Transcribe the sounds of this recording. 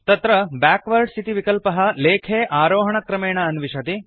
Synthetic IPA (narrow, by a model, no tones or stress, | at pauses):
t̪ɐt̪ɾɐbaːkʋɐɾɖst̪ʰit̪iʋikɐlpɐɦɐ̆leːkʰeːʔaːɾoːɦɐɳɐkɾɐmeːɳɐːnʋiʃɐt̪i